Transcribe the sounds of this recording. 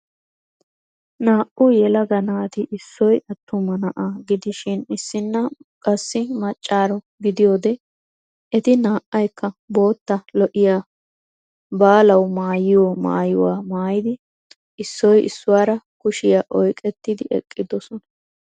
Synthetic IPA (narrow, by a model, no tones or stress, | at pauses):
naːʔʊjɛlɐɡɐnaːt̪ɪʔɪsːɔjɐt̪ːʊmɐnɐʔaːɡɪd̪ɪʃɪnɪsːɪnːɐkʼɐsːɪmɐt͡ʃʼːaːɾɔ | ɡɪd̪ɪjoːd̪ɛ | ɛt̪ɪnaːʔɐjkːɐbo̞ːt̪ːɐlɔʔɪjaː | baːlɐwmaːjɪjɔma̰ːjɪwaːmaːjɪd̪ɪ | ʔɪsːɔjʔɪ̰sːʊwaːɾɐkʊʃɪjaʔɔjkʼɛt̪ːɪd̪ɪʔɛ̰kʼːɪd̪ɔsɔnɐ